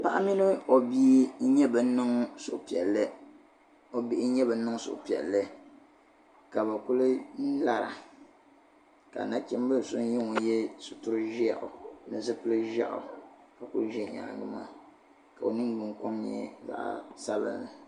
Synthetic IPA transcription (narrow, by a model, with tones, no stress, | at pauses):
pa˦ʔa˦mi˦nɨ˦o˨bi˦ɲɛ˦bɨ˨˦nɨ˦ŋ˦so˨ʔpi˨ɛ˨lːɨ˦ | o˨bi˦ʔɪ˦ɲɛ˦bɨ˨˦nɨ˦ŋ˦sʊ̰˨ʔpi˨ɛ̰˨lːɨ˦ | ka˨ba˨ku˦lɨ˦n̩˦la˦ɾa̰˨ | ka̰˨na˦t͡ʃɛ˦m˦bɨ˦lsʊ˦n˦jɛ˦ŋo˨jɛ˦sʊ˨tu˦ɾɨ˦ʒi˦a˨ʔʊ̰˨nɨ˨zɨ˦pɨ˦lɨ˦ʒa̰˦ʔʊ̰˨ | ka˨ku˦lɨ˦ʒɛ˦˨ɲa̰˨ɡɨ˦ma̰˦ | ka˨o˨nɨ˦ŋɡ͡bɨ˨ŋko˦mɲɛ̰˦za̰˨ʔa̰˦˨sa˦bɨ̰˦˨nːɨ˨